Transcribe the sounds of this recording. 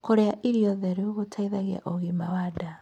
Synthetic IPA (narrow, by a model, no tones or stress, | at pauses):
koɾeaʔiɾiɔðɛɾuoɣotʰaiðaɣea̰ʔoɣimawada